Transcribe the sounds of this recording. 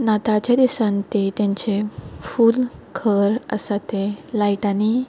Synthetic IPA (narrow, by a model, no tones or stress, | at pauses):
nat̪at͡ɕjad̪isãnt̪et̪jãɲt͡ɕefuːlkʰəɾə̰sat̪ẽlaiʈani